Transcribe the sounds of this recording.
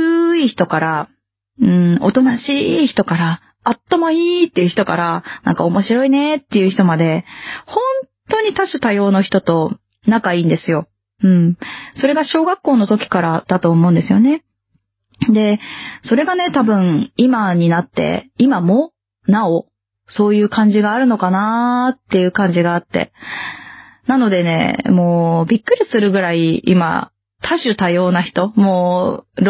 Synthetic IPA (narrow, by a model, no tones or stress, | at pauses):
içi̥t̪o̞kaɾa | ɯ̟̃ɴo̞̰t̪o̞naɕiːçi̥t̪o̞kaɾaː | t̪ːomoiːt̪ːejɯ̟çi̥t̪o̞ka̰ɾanã̰ŋka̰o̞mo̞ɕiɾo̞ine̞t̪ːe̞jɯ̟çi̥t̪o̞mad̪e̞hõ̞nt̪o̞ɲ̟it̪aɕot̪ajo̞ːno̞çi̥t̪o̞t̪o̞ | nãkaĩːnd̪e̞sɨjo̞ | ɯ̟̃ɴso̞ɾe̞ɡaɕo̞ːɡakːo̞ːno̞t̪o̞kʲi̥kaɾad̪̥at̪o̞ːmo̞ɯ̃nd̪esɨjo̞ne̞ | d̪e̞so̞ɾe̞ɡane̞t̪abɯ̟̃ɴimaɲ̟inat̪ːe̞̰imamoː | nao | so̞ːjɯ̟ːkãɲ̟d͡ʑiɡaːɾɯ̟no̞kanat̪ːe̞jɯ̟ːkãɲ̟d͡ʑiɡaːt̪ːe̞̰ | nano̞d̪e̞ne̞̰mo̞ːbʲikːɯ̟ɾʲisɨɾɯ̟ɡɯ̟ɾaiima̰ | t̪ʰaɕɨt̪ajo̞ːnaçi̥t̪o̞moːɾ